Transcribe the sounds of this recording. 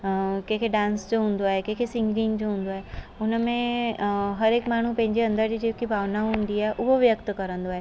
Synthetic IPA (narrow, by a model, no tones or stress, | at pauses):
kẽkʰeɖãːnsd͡ʑoɦũːn̆d̪oaːɦekẽːkʰesɪ̃ŋɡɾɪ̃ŋd͡ʑoɦũːn̆d̪oaːɦeʊnəmẽ | ɦɐɾeːkmaːɳ̤upɐ̃ɦɪ̃ɲd͡ʑeɐ̃nd̪əɾd͡ʑid͡ʑeːkibʱaːʋnaʋɦũːnd̪iaːɦeʔʊɦoʋjəkt̪kɐɾə̃nd̪oaːɦe